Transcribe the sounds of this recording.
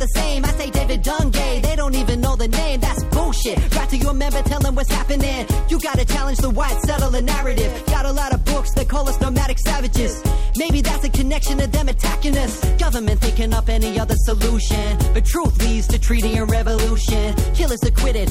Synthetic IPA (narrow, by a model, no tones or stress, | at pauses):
ðɨsẽɪ̃maɪseɪdeɪvɨdɑ̃ŋɡeɪðeɪɾõʊ̃ntivɨ̃nːoʊðɨnẽɪ̃mðætsb̥ʊlˠʃɪt̚ɡ̥ɹɑtʰɨjəəmɛ̃mbə˞tʰɛlˠðə̃mwʌtshæpɨ̃nɪ̃njɨɡɑɾɨt͡ʃʰælˠə̃nd͡ʒðəwaɪd̥sɛɾəvðɨnæɹɨɾɪv̥ɡɑɾəlɑɾʌvbʊksðɨt̚kʰɔlˠʌsnəmæɾɨksævɨd͡ʒɪz̥meɪbiðætsɨkʰɨnɛkʃɨ̃nʌvðɨ̃mɨtʰækɨ̃nɨsɡ̥ʌvə˞mɨ̃nθɪ̃ŋkɪ̃ŋʌpɛniʌðə˞səluʃɨ̃nb̥ʌtʰɹ̥uθlidz̥tʰɨtʰɹ̥iɾiɨ̃nɹɛvəluʃɨ̃nkʰɪlˠɨsɨkʰw̥ɪɾɪd̥̚